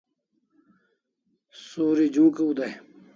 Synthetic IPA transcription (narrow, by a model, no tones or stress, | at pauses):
soːɾid͡ʑũːkeud̪ae